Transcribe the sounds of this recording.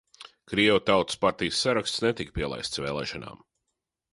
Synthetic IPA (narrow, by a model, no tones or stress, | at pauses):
kɾiɛvut̪awt̪ɨ̥spaɾt̪ijəsːaɾakst̪snet̪ikpiɛlˠa̰jst̪svḛːlˠɛːʃana̰ːm